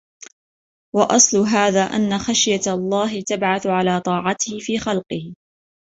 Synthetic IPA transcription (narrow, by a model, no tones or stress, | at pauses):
wɑʔɑsˤlʊɦaːðaːʔa̰nːaxaʃjalˤːɑːɦɪt̪abʕaθʊʕalaːt̪ˤɑːʕɑt̪ɪhɪfiːxɑlqɨh